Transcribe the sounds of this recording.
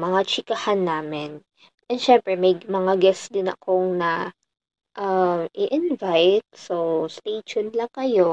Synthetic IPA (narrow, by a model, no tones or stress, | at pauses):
mɐŋat͡ʃɪkɐhanːaːmɪn | ʔɛnʃɛmpɾɛmɐjmɐŋaɡɛsd̪ɪnɐ̰koŋnɐ | ʔamʔɪʔɪnvajt̪̚sost̪eːʃonlɐŋkɐjo